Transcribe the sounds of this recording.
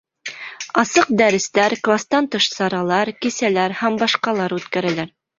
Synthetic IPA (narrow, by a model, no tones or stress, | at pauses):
ɑsɤq̚d̪æɾɘ̆st̪æɾklˠast̪ɑnt̪ɤʃsɑɾɑlˠɑɾkisælæɾhæmbɑʃqɑlˠɑɾʉt̪kæɾælæɾ